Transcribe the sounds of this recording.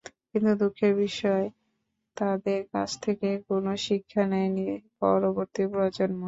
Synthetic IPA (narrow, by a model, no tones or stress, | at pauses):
kint̪ud̪ukʰeɾbiʃɔe | t̪ad̪eɾka̰t͡ɕʰt̪ʰekekonoʃikʰːanɛjnipɔ̰ɾoboɾt̪ipɾoad͡ʑonmo